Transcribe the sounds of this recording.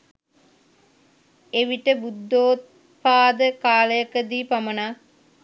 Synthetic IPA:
eʋiʈəbud̪ːoːt̪̚ | paːd̪əkaːləjəkəd̪iːpamənaː

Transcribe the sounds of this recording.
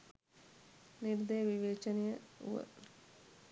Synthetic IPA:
niɾd̪əjəʋiʋeːt͡ʃɐnejəṵʋə̰

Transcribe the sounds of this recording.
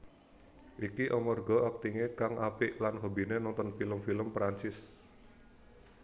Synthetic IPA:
ʔikiʔɔmɔrɡɔak̚t̪iŋekaŋʔapiʔlanɦobinenɔnt̪ɔnfiləmfiləmpɾant͡ʃɪs

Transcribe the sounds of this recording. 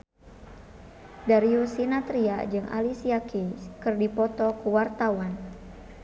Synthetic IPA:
daɾiusinat̪ɾiad͡ʒɨŋʔa̰lisiakikɨrdipɔt̪ɔkuwart̪awan

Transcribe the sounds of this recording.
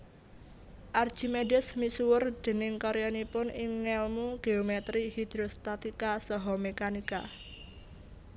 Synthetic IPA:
ʔard̥ʒ̥i̤medɛsmisuwʊrd̪̥e̤nɪŋkɔɾijɔnipʊnʔɪŋːɛlmuɡ̥e̤omɛt̪ɾihid̪̥ɾost̪at̪ikasɔɦɔmekanika̰

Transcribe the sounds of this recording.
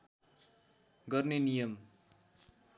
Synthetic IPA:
ɡʌrnenijʌm

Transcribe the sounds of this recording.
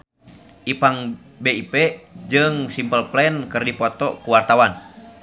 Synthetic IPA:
ʔipaŋ | beipɛd͡ʒɨŋsimpəlplɛnkɨrdipɔt̪ɔkuwart̪awan

